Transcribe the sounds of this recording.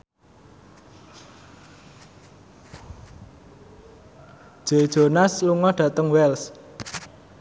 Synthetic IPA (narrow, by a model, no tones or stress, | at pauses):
d̥ʒ̥ed̥ʒ̥o̤nasluŋɔhɖ̥ä̤t̪əŋwɛls